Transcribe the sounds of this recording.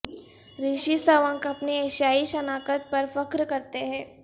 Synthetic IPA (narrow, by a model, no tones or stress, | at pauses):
ɾiʃisəʋə̃ŋkɐpnieːʃjaːiʃɐnaːkət̪̚pɐɾfɐkɾkɐɾt̪eɦɛ̃ː